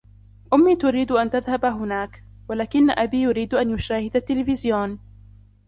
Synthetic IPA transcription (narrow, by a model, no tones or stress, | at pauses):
ʔʊmːiːt̪ʊɾiːd̪ʔant̪aðhabaɦʊnaːk | walaːkɪnːaʔabiːjʊɾiːd̪ʔanjʊʃaːhɪd̪at̪ːɪlɪfɪzjoːn